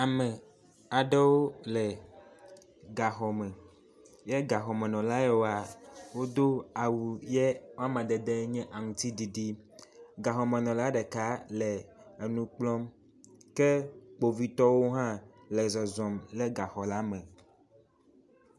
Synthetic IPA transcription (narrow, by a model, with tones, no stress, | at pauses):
a˨mɛ̃˨ | a˨ɖɛ˦wo˦lɛ˨ | ɡa˨xɔ˨mɛ̃˨ | jɛ˦ɡa˨xɔ˨mẽ˨nɔ̃˨la˦ɛ˦wo˦a˨wo˦d̪o˦a˨wu˨jɛ˦wa˦mã˨d̪e˨d̪e˦ɲɛ̃˦ʔa˨ŋũ˨t̪i˦di˨ɖi˦ɡa˨xɔ˨mẽ˨nɔ̃˨la˦ɖɛ˨ka˦lɛ˨e˨nũ˦k͡plɔ̃˦m | kɛ˦k͡po˨vi˦t̪ɔ˦wo˦ɦã˦ | lɛ˨zɔ˨zɔ̃˨mlɛ˦ɡa˨xɔ˨la˦mɛ̃˨